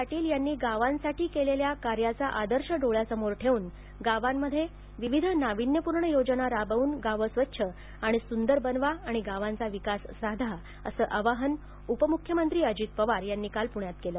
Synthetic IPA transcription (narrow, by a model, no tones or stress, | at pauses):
aʈiːljanːiːɡaʋãnsaʈiːkeleljakaɾjat͡saʔad̪əɾɕəɖoɭjasəmoɾʈʰeuːn | ɡaʋamːəd̪ʱːje | ʋiʋid̪ʱnaʋinjəpuɾɳəjod͡ʑənaɾabəuːnɡaʋəsʋətːɕʰə | aɽ̃isund̪əɾbənʋaːɽ̃iɡaʋãnt͡saʋikasːad̪ʱa | ə̰səːʔəʋaɦən | upəmukʰjəmənt̪ɾiːəd͡ʑiːt̪̚pəʋaɾjanːiːkalpuɳjat̪̚keləː